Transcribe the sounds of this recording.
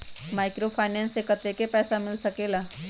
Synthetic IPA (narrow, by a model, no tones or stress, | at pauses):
maːɪkɾopʰaːnɛ̃ːnsekət̪ekepɛːsamɪlsɐkeːlaː